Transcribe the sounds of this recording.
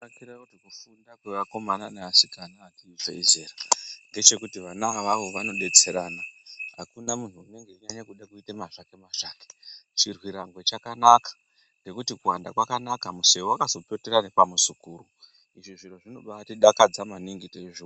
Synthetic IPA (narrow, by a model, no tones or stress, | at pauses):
akiɾakutikufundakweʋako̞mananeasikanaːtiifḛizeːrande̞t͡ʃe̞kutiʋanaʋaʋo̞ʋano̞ɗe̞t͡se̞ɾanaɦakunamuntuːne̞ŋɡe̞iɲaɲakuɗakuitemaʐakemaʃaːket͡ʃirwiɾaŋɡwe̞t͡ʃakanakḁ | ŋɡe̞kutikuwandakwakanakamuseuakazo̞pe̞teɾanepamuzukuːru | iʐiʐinoʐino̞ɓaatiɗakad͡zamaniŋɡiteeʐi